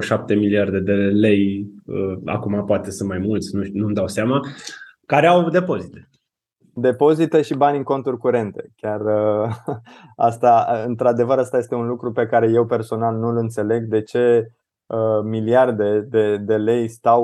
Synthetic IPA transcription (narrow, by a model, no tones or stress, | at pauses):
ʃap̚t̪e̞miliard̪e̞d̪e̞le̞jəa̰kumapoat̪esɨnmajmult̪sʲnunumd̪awseama | kaɾeawd̪e̞po̞zit̪e̥ | d̪e̞po̞zit̪eʃibanʲɨŋko̞nt̪urʲkuɾe̞nt̪e̞̥kʲarə | a̰st̪aɨnt̪ɾad̪e̞vəɾast̪ajest̪e̞unlukɾupe̞kaɾe̞je̞wpe̞rso̞nalnulɨnt̪se̞le̞ɡd̪e̞t͡ʃe̞ | əmiliard̪e̞d̪e̞d̪e̞le̞jst̪aw